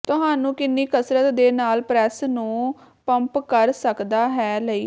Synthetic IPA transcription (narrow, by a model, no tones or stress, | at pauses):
t̪ʊɦãːnũːkɪnːiːkəsɾət̪d̪eːnaːlpɾɛːsnũː | pəmpkəɾsəkd̪aːɦɛːləiː